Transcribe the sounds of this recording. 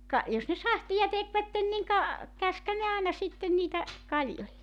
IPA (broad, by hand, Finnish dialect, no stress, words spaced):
kɑ jos ne sɑhtijɑ tekʋætːen niŋ kɑ kæskhæn ne ɑˑenɑ sitːen niːtæ kɑlʲjolʲːek